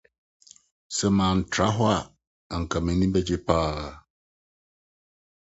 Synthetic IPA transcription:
sɛ˨mãː˨n̩˨tʰɾa˦ɦɔ˦a˨ | a˨ŋ̩˨kʰa˨mɛ̃˨nĩ˦bɛ˦d͡ʑe˦pʰaː˦˨

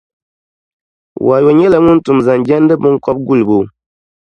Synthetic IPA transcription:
wʔa˨jo˨ɲɛ˦lɛ˨ŋu˦n̩˦tu˨mza˨nd͡ʒɛ˦n˦dɨ˦bu˦ŋ̩˦kɔ˦p̚ɡu˦˨lbu˨

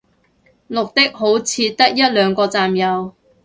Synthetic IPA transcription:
lʊ˨k̚t̪ɪ˥k̚ɦo˨˥wt͡sʰiː˨˧t̪ɐ˥k̚jɐ˥t̚lœː˨˧ŋkɔː˧t͡saː˨mjɐ˨˧w

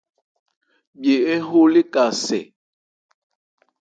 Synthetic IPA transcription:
bje˨e˦ɦo˦le˦ka˨sɛ̰˨

